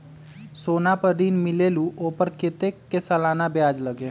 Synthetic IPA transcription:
soːnapəɾɾinmɪleluʔopəɾket̪ekːesəlaːnabjad͡ʒləɡe

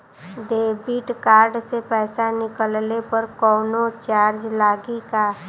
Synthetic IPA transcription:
d̪eːbiːʈkaːɾɖsepɛːsanɪkəllepəɾkɔːnot͡ʃaːɾd͡ʒlaːɡikaː

